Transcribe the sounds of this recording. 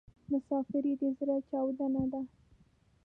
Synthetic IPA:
mʊsɑfɪɾid̪əzɾat͡ʃɑwd̪anad̪a

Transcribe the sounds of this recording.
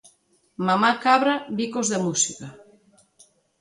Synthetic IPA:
mamakaβɾaβikozðamusikɐ

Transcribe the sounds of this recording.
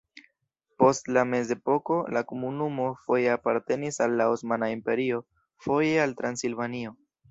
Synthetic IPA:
po̞stlame̞ze̞po̞ko̞lakomunumo̞fo̞je̞apaɾte̞nisalːaosmanaimpe̞ɾio̞ | fo̞jealtɾansilvanio̞

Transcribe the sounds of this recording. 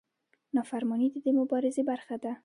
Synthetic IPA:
nɒfaɾmɔnid̪ɪd̪emʊbɑɾɪzebaɾxad̪a

